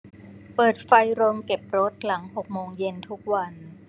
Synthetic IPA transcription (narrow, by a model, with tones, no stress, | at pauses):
pɤː˨˩t̪̚fa˧jɾo˧mke˨˩p̚ɾo˦˥t̪̚la˩˦ŋho˨˩k̚moː˧ŋje˧nt̪ʰu˦˥k̚wa˧n